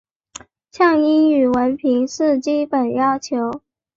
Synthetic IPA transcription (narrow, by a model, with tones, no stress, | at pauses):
ɕjɑ˥˩ŋi˥ny˨˩wə˧˥npʰi˧˥ŋʂɻ̩˥˩t͡ɕi˥pə˨˩njɑ˥ʊt͡ɕʰjo˧˥ʊ